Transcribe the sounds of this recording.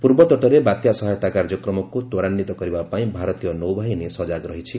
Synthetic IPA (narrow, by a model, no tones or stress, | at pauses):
puɾbɔt̪ɔʈɔɾebat̪jasɔɦajt̪akaɾd͡ʒɔkɾɔmɔkut̪oɾanːit̪ɔkɔɾibapaĩbʱaɾɔt̪ijɔnowbʱaɦinesɔd͡ʒaɡɾɔɦit͡ʃʰi